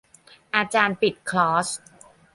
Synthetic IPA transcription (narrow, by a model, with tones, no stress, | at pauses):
ʔaː˧t͡ɕaː˧npi˨˩t̪̚kʰlɔː˦˥s